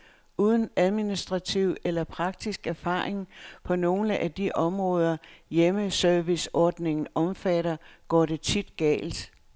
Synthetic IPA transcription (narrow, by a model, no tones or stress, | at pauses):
uːð̞ˠn̩æð̞ˠminisd̥ʁɑ̈t͡sʰiʊ̰elɐpʰʁɑ̈ɡ̥̚d̥isɡ̥æɐfɑ̰̈ːʁeŋpʰɒ̽no̝ːləʔæd̥iʔɒ̽mʁɔ̽ːð̞ˠɐjeməsœɐʋisɒːd̥ne̝ŋn̩ɒ̽mfæɾ̥ɐɡ̥ɒ̰ːd̥e̝t͡sʰid̥ɡ̥ɛ̰ːld̥